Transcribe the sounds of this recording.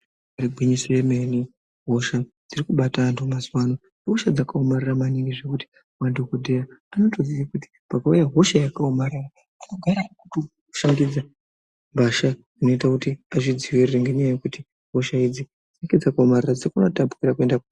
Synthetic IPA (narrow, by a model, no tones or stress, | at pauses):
aiɡʱwiɲisojemeni | ɦo̞ʃad͡zirikuɓataːntʰumaziwanoneɦoʃad͡zakaomariramaniŋɡiʐe̞kuti̥ | mandokodʱejaano̞to̞ziʋakuti̥pakaujaɦo̞ʃajakaomaɾira | anoɡʱaɾakuto̥ | ʃaŋɡid͡za | mbaʃa | ino̞itakutiaʐid͡ziwirireŋɡeɲejajekuti | ɦo̞ʃaid͡zi | d͡zinaked͡zakaomarirad͡zirikunatapu̥kiɾakue̞ndaku